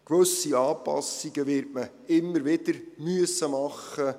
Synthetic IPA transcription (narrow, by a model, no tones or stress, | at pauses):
kʋɵsiɑːpɑ̰siɡ̥əvɪɾtmə | ɪmːəɾvɪd̥əɾmyəsəmɑχːə